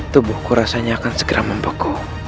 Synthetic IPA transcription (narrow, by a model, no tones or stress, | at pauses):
t̪ubʊhkuɾasaɲaːkansəɡəɾʔaməmbəku